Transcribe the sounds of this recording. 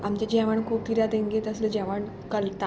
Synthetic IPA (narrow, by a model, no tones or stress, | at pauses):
amt͡ɕad͡ʑɛʋəɳkʰuːp̚t̪ʰiɾjad̪eŋɡet̪əsled͡ʑɛʋəɳ | kəlt̪a